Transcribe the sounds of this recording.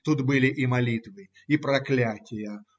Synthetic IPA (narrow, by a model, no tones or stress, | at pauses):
t̪ut̪bɨlʲɪʔimɐlʲit̪vɨ | ipɾɐklʲatʲɪjɐ